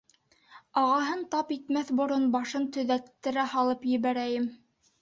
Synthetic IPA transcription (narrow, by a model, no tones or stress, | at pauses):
ɑʁɑɦɤnt̪ɑpit̪mæθbŏɾonbɑʃɤnt̪ɵ̆ðæt̪ːɘ̆ɾæhɑlˠɤpjɘ̆βæɾæjɘm